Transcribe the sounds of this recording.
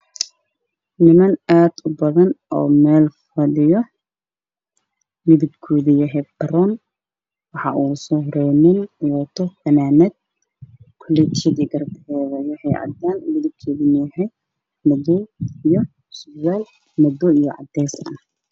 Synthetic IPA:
nɪmɐnaːd̪̥ʊbɐðɐnʔɔ̰ːmɛːlfɐlɪjɔ | mɪðɪɡkʰːɔːðijɐɦɛbɐɾɔn | wɑħɑʔuːsɔhɾɛjnɪnwɔt̪ʰɔfɐnaːnɛd̪̚ | kʰɔlɛt̪ʰid̪iɡɐɾbɛːðɐjɐhɛjʕɑ̰d̪anmɪðɪɡ̚kʰɔːðinjɛɦɛ | mɐd̪ɔijɔ | sʊzaːl | mɐd̪ɔijɔʕɑ̰d̪ɛsɐ̰n

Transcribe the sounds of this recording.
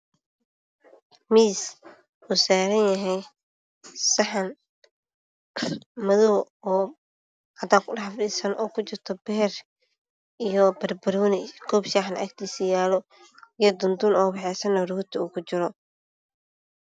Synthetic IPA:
miːs | uːsaːɾɐnjɐɦɛj | sɐħɐn | mɐðɔːɔː | hɐd̪aːkʰʊɖɑħfɗiːsɐnʔɔːkʰʊt͡ʃɪrt̪ʰɔbɛɦɛr | ijɔbɐrbɐɾɔːnɛkʰɔːbʃaːħnʔa̰kt̪ʰiːsɐjaːlɔ | jɐd̪ʊnd̪ʊnɔːbɛħɛːsɐnːɐɾhʊt̪ʰɪuːkʰʊt͡ʃɪɾɔ

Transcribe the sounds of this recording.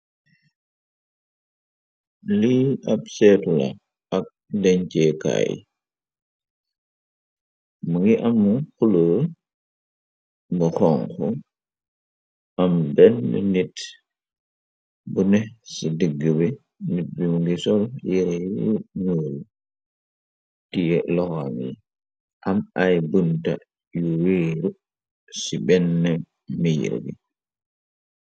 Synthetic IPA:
liɐp̚sɛtulɐ̰ | ɐk̚dɛɲcɛka̰ːj̰ | muŋɡiʔɐmːuxulu | bɐxɔŋkɔ | ʔɐmbɛnbḭnit | bunɛsidəɡːibɛ | nit̚bimuɡisɔljiɾɛjuɲoːlu | tijɛlɔxamjɛ | ʔamajbunta̰ | juweɾu | sibɛnːɛ | mij̰ɾ̰bḭ

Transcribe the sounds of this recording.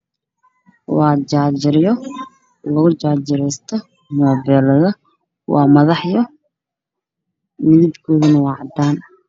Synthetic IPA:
wɑːt͡ʃaːt͡ʃɪɾɪjɔ | lɐɣʊt͡ʃaːt͡ʃɪɾɛjst̪ʰɐ | mɔːbɛːlɐðɐ | wɑ̰ːmɐðɑħjɔ | mɪðɪbkʰɔːðɐnɐwɑːʕɑd̪aːn

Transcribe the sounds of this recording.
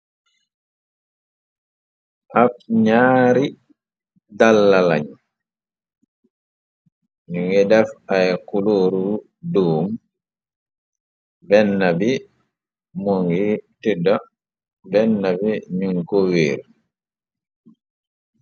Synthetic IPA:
ʔafɲaːɾi | dalːalaɲ | niŋɡɛdafajkuloɾu | doːm | bɛnːabi | moŋɡitida | bɛnːabiɲuŋkoweːɾ

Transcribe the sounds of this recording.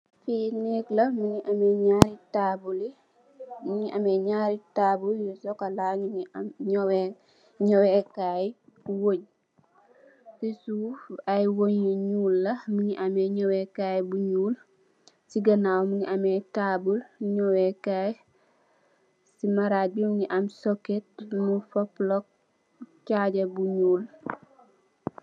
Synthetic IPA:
fineklɐmiɲiʔamɛɲaɾitabuli | miɲiʔameɲaɾitabuljusokalaɲɲowe | ɲɔwɛkajwoɲ | sisuːfajwoɲeɲuːlːɐmiɲiʔameɲowekaːjbuɲuːl | siɡɐnawmiɲiʔametabulɲowekaj | simaɾabimɲiʔamsoket̚mufoplok̚ | caɟɐbuɲuːl

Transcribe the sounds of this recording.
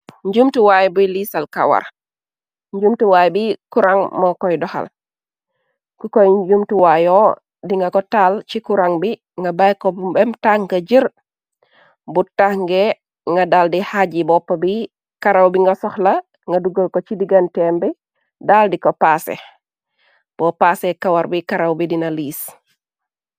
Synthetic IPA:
ɲɟumtiwajbujlisalka̰wa̰ɾ | ɲd͡ʒumtuwaːjbikuɾaŋmɔkɔjdɔha̰l | kukɔjd͡ʒumtuwajɔ | diŋɡakɔtalt͡ʃikuɾaŋbi | ŋɡabajkɔbbɛmtaŋɡaɟiɾ | butahŋɡɛ | ŋɡadaːldihaɟibɔpːɐbi | kaɾawbiŋɡɐsɔhlɐ | ŋɡɐduɡəlkɔt͡ʃidiɡɐntɛːmbi | daːldikɔpasɛ̰ | b̥ɔpaːsɛkawaɾbikaɾawbidinɐliːs

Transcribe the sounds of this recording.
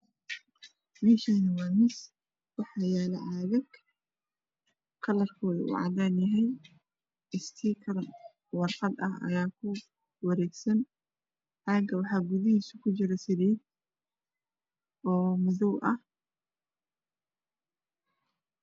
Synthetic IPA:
biʃaːnɐmanɪs | wɑħɑːjɛːlɐʔaːðɐɡ | kʰɐlɐrkʰɔːðɐ̰ʔṵʕɑ̰daːnjɐɦɛj | ɪst̪ʰiːkʰɐɾn | wɑrqɑd̪ɐ̰hɐ̰jaːkʰʊ | wɑɾɛːɡsɐn | ʕɑːɡɐwɑħɑːɡʊðɪɦiːsʊkʰʊt͡ʃɪɾɐsɪðɛːd̪̚ | ɔːmʊðɔwʔɐh

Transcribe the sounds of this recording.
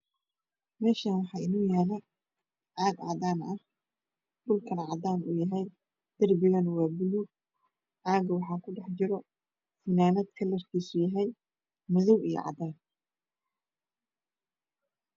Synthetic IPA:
mɛːʃaːnwɑħɑːʔɪnuːjaːlɐ | ʕaːɡʕɑ̰ːd̪aːnʔɐh | d̥ʊlkʰɐnʕɑd̪aːnʊ̰jɐɦɛj | d̪̥ɐrbɪɣɐnwɑːbɪluːɡ̚ | ʕaːɡɐwɑħɑːkʰʊɖɛħt͡ʃɪɾɔ | fɪnaːnɐd̪̚kʰɐlɐrkʰiːsʊjɐɦɛj | mɐðɐwijɔ̰ʕɑ̰d̪aːn

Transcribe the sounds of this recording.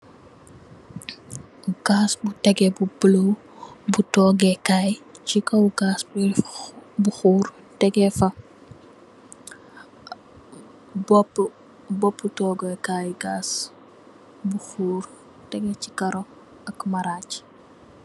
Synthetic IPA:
ɡ̥aːsbutɛɡɛbubələw | butɔːɡɛkajcikɐwɡaːsbi | buxuːɾ | tɛɡɛfɐ | bɔpː | bɔpːutɔːɡɛkaːjɡaːs | buxuːr | tɛɡɛt͡ʃikɐɾɔ | ɐkmɐɾaːc

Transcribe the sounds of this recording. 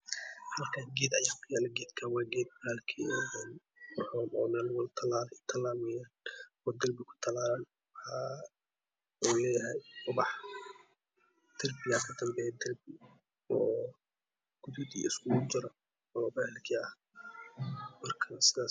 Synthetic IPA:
hɐlkʰaːŋɡeːd̪ɐjaːkʰʊjaːlɐɡɛːd̪kʰawɑːɡɛːd̪̚bɐɾaːlkʰiɔɛn | ħɔmɔːmɛːlwɔlt̪ʰɐlaːlɛt̪ʰɐlaːmɛjan | ɔːd̪ɐrbɪkʰʊ̥t̪ʰɐlaːlɐn | wħa | ulɛːjɐɦɛjʊbɑħ | d̪̥ɐrbɪjaːkʰɐd̪ɐmbɛjd̪ɐrbɪ | ɔː | ɡ̥ʊðʊd̪ḭɪ̰skʰʊʊd͡ʒɐɾɐ | ɔːbɐhɛlkʰiɐ | mɐrkʰɐsɪðaː

